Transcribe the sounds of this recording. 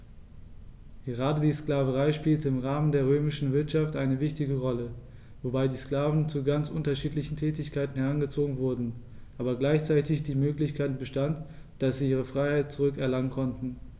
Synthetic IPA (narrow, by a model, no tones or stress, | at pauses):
ɡ̥əʁ̞aːdədiːskl̥aːvəʁaɪʃpiːltəɪmʁaːməndeːɐʁ̞øːmɪʃn̩vɪɐtʃaftʔaɪnəvɪçtɪɡəʁɔlə | vobaɪdiːskl̥aːvn̩t͡suɡant͡sʔʊntɐʃiːtlɪçn̩tʰɛːtɪçkʰaɪtn̩hɛʁanɡət͡soːɡŋ̩vʊɐdn̩ | ʔaːbɐɡlaɪçt͡saɪtɪçd̥iːmøːklɪçkʰaɪtb̥əʃtant | d̥asz̥iːiːʁ̞əfʁ̥aɪhaɪt̚t͡suʁʏkɛɐlaŋənkʰɔntn̩